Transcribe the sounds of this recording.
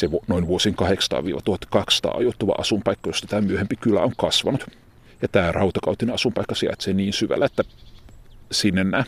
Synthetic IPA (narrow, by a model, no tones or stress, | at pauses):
seʋnoinʋuosiːŋkɑheksɑ̥t̪ɑ̰ːʋḭːʋɑ̰t̪uhɑt̪ːkɑkssɑ̥t̪ɑ̰ːɑ̰jot̪ːuʋɑ̰ʔɑsumpɑikːɑjost̪ɑt̪æːmyøhempikylːæ̰oŋkɑsʋɑnut̪ | jɑt̪æːrɑut̪ɑkɑut̪ineɑsumpɑikːɑsiɑ̰t̪seniːnsyʋæ̰lːæet̪ːæ | sinːenːæː